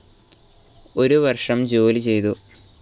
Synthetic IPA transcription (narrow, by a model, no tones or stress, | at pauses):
o̞ɾuʋɐrʂɐmd͡ʑoːlit͡ɕe̞jt̪u